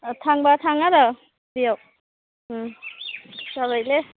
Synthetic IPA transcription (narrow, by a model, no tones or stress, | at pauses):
tʰaŋbatʰaŋada | dijaw | saβajle